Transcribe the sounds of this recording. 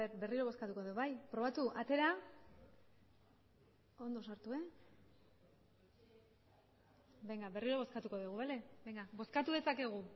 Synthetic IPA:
eɾbe̞riɾoβo̞skat̪uko̞ðewβajpɾo̞β̞at̪uʔat̪e̞ɾa | o̞nd̪osaɾt̪ue̞ | beŋɡaβe̞riɾo̞βo̞skat̪uko̞ðuɣuβele̞bejŋɡabo̞skat̪uðe̞sake̞ɣ̞u

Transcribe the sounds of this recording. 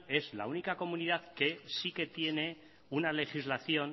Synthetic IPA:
e̞zla̰unikako̞muniðaðke̞sike̞t̪je̞ne̞ | unale̞xizlaθjo̞n

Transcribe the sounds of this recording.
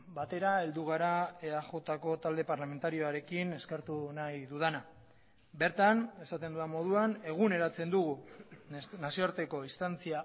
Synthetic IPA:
bat̪e̞ɾae̞ld̪uɣ̞aɾaeaʝo̞t̪ako̞t̪ald̪e̞paɾlame̞nt̪aɾio̞aɾe̞kine̞skeɾt̪unajðuðana | be̞ɾt̪ane̞sat̪e̞nd̪uamo̞ð̞uane̞ɣ̞une̞ɾat͡se̞nd̪uɣu | nasioaɾt̪e̞ko̞ist̪ant͡sia

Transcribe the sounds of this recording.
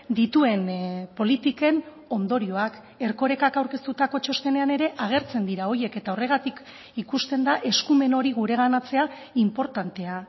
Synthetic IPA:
d̪it̪ue̞npo̞lit̪ike̞n | o̞nd̪o̞ɾio̞ak | e̞ɾko̞ɾe̞kakawɾke̞st̪ut̪ako̞t͡ʃo̞st̪e̞ne̞ane̞ɾe̞ʔaɣ̞e̞ɾt͡se̞nd̪iɾao̞je̞ke̞t̪ao̞re̞ɣ̞at̪ik | ikust̪end̪aʔe̞skume̞no̞ɾiɣ̞uɾe̞ɣanat͡se̞a | impo̞ɾt̪ant̪e̞a

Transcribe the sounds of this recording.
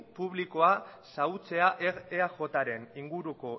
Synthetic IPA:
puβ̞liko̞asaut͡se̞aʔeɾeaʝo̞t̪aɾe̞niŋɡuɾuko̞

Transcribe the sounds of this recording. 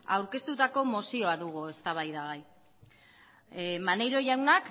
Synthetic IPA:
a̰wɾke̞st̪ut̪ako̞mosio̞aðuɣue̞st̪aβ̞ajðaɣaj | mane̞jɾo̞ʝawnak

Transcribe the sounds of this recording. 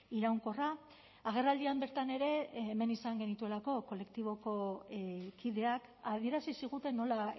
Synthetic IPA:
iɾawŋko̞ra | aɣ̞e̞rald̪iambeɾt̪ane̞ɾe̞ːme̞nisaŋɡe̞nit̪ue̞lako̞ko̞le̞k̚t̪iβ̞o̞ko̞ | kiðe̞akaðie̞ɾasisiɣ̞ut̪e̞no̞la

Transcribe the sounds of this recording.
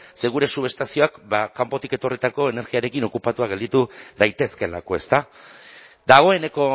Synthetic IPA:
se̞ɣ̞uɾe̞suβe̞st̪asio̞akbakampo̞t̪ike̞t̪o̞rit̪ako̞e̞ne̞ɾɣiaɾe̞kino̞kupat̪uaɣ̞e̞ld̪it̪uðajt̪e̞ske̞lako̞e̞st̪a | d̪aɣ̞o̞e̞ne̞ko̞

